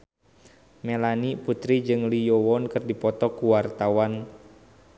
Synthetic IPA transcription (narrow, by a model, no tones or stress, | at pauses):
melaniput̪ɾid͡ʒɨŋlijɔwɔnkɨrdipɔt̪ɔkuwart̪awan